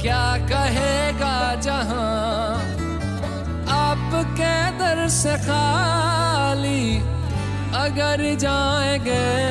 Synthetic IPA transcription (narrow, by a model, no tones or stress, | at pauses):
kjaːkɐɦeːɡaːd͡ʒɐɦã | apked̪əɾsexaː | li | ɐɡəɾ | d͡ʒaː | ẽɡeː